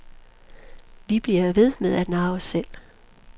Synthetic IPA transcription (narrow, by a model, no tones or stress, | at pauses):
ʋib̥liɐʋe̝ð̞ˠmeðˠæd̥nɑ̈ʊsel̰